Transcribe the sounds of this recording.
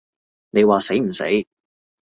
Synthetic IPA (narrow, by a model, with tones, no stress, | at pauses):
ne˨˧jwaː˨se˨˥jm̩˨˩sḛ˨˥j